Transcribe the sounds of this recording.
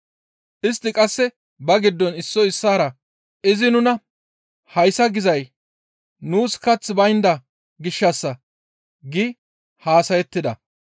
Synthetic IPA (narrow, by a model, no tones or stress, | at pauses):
ʔɪst̪ːɪkʼɐsːɛ | bɐɡɪd̪ːɔnɪsːɔɪsːaːɾɐ | ɪzɪnʊnɐ | hɐjsɐɡɪzɐj | nuːskɐt͡sːbɐjnd̪ɐ | ɡɪʃːɐsːɐ | ɡɪ | haːsɐjɛt̪ːɪd̪ɐ̰